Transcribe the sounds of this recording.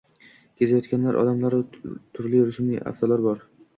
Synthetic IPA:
kʲʰezajɒt̪kʲanlaɾʔɒ̰d̪amlaɾɪt̪ʰʊɾlɪɾʊʃmḭa̰ft̪ɒlaɾbɒɾ

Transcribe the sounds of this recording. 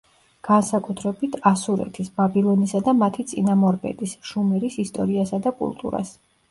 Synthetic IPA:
ɡ̥ansakʼut̪ʰɾɛbit̪ʰasuɾɛ̰t̪ʰisbabilˠɔnisad̪amat̪ʰit̪sʼinamɔɾbɛ̰d̪isʃumɛɾisist̪ʼɔɾiasad̪akʼṵlˠt̪ʼṵɾa̰s

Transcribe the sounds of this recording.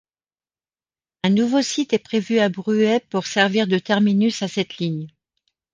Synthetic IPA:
ɛ̃nuvosit̪ɛpχevyabʁyɛpuʁsɛʁviʁd̪ət̪ɛʁminysasɛt̪liɲ

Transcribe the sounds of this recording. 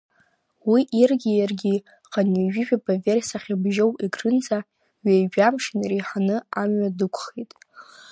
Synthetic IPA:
wiʔirɡʲijarɡʲi | qʼaniʒᶣiʒᶣabaversaχʲabʒowiɡrɨnza | ɥejʒᶣamʂɪnrejħanɨamɥadɨkʷʰʼχejtʼ

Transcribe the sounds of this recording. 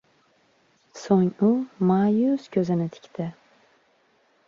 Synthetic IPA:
soŋʊmajʊskʲʰɵzɪnɪt̪ʰɪ̥kʲt̪ʰɪ

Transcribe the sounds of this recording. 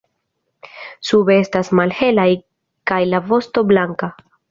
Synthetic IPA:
subeestasmalhe̞laj | kajlavo̞sto̞blaŋka

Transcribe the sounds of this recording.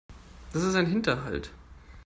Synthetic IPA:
d̥asɪstaɪnɦɪntɐɦa̰lt

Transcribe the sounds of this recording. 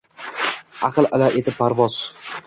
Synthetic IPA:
aqʰɨlˠʔalaʔet̪ɪpːaɾvɒz̥

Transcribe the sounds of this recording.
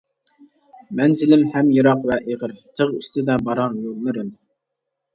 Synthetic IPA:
mɛnzɪlɪmhɛmjɨɾɑqvɛʔeʁəɾt̪ʰəʁy̰st̪ʰɪd̪ɛbɑɾɑnjolmɪɾɪm

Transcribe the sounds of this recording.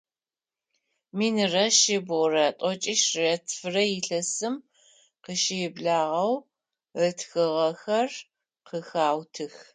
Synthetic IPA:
miːnɨrɐʃɪbrɐtʼɔt͡ʃʼiʃrɐtʰfɨrɐjɪɬɐsɨm | qəʃɪɪbɮaːʁɐw | ətʰxɨʁɐxɐr | qəxaːwtʰɨx

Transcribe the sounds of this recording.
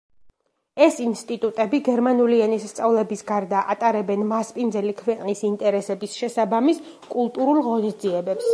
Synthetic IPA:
ɛsinst̪ʼit̪ʼut̪ʼɛbiɡɛɾmanuliɛnisst̪sʼavlɛbisɡaɾd̪aʔat̪ʼaɾɛbɛnmaspʼind̪zɛlikʰvɛqʼnisint̪ʼɛɾɛsɛbisʃɛsabamis | kʼulˠt̪ʼuɾulˠʁɔnisd̪ziɛbɛps

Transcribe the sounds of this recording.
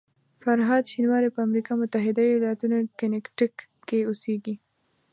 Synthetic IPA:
faɾɦɑd̪ʃinwɑɾepəamɾikɑmʊt̪aɦɪd̪aojɑlat̪unokɪnɪkʈɪkː | eoseɡi

